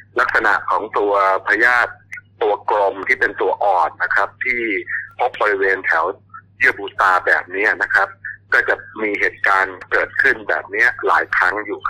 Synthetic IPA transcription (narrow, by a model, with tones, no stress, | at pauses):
la˦˥k̚sa˧na̰˨˩ʔkʰɔː˩˦ŋt̪u˧ɐpʰaː˧jaː˥˩t̪̚ː | u˧ɐkɾo˧mt̪ʰiː˥˩pe˧nt̪u˧ɐʔɔː˨˩nːa˦˥kʰɾa˦˥p̚t̪ʰiː˥˩pʰo˦˥p̚bɔ˧ɾi˦˥weː˧nt̪ʰɛ˩˦wjɯ˥˩əbuː˧˩t̪aː˧bɛ̰ː˨˩p̚ni˦˥ɐna˦˥kʰa˦˥p̚kɔː˥˩t͡ɕa˨˩miː˧ɦeː˨˩t̪̚kaː˧nkɤː˨˩t̪̚kʰɯ˥˩nbɛ̰ː˨˩p̚ni˦˥ɐla̰ː˩˦jkʰɾa˦˥ŋjuː˨˩kʰ